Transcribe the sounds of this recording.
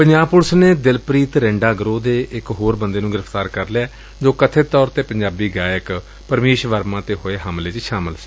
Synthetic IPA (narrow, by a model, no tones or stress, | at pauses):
pəɲd͡ʒaːbpʊɾsneːd̪ɪlpɾiːt̪ɾɛ̃ːɳɖaːɡɾoːd̪eːʔɪkɦoːɾbənd̪eːnũːɡɪɾəpʰt̪aːɾkəɾleaː | d͡ʒoːkət̪ʰeːt̪ɔːɾt̪eːpəɲd͡ʒaːbiːɡaːjək | pəɾmeːʃʋəɾmãːt̪eːɦoeːɦəmleːt͡ʃʃaːmɪlsi̥ː